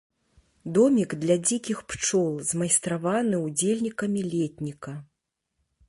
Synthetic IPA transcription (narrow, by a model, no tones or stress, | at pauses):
d̪ɔmʲiɡd̪lʲad͡zʲikʲixpt͡ʂɔlˠzmɐjst̪ɾavanɨud͡zʲelʲnʲikɐmʲilʲɛt̪ʲnʲikɐ